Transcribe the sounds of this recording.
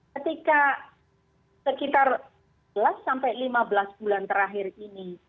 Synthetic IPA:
kət̪ika | səkit̪ar | bəlasːampajlimabəlasb̥ulant̪əɾaɦɪrini

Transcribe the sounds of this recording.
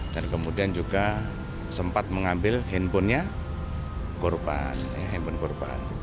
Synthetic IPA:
d̥ankəmudiand͡ʒuɡa | səmpat̪̚məŋambɪlɦɛnpʊnɲa | kurba̰njaɦimpʊnkɔrba̰n

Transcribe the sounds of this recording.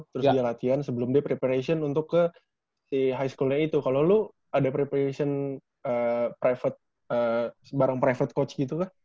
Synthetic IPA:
t̪əɾʊsdialat̪iansəbəlʊmdiapɾepaɾasiɔnunt̪ʊkːə | siɦajskulɲait̪ukalolu | adapɾepaɾesiɔn | əpɾafət̪̚ | əsəbaɾaŋpɾafət̪̚kot͡ʃɡit̪uka

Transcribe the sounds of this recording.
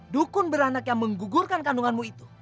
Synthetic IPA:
dukʊnbəɾanakjaŋməŋɡuɡurkankanuŋanmuit̪u̥

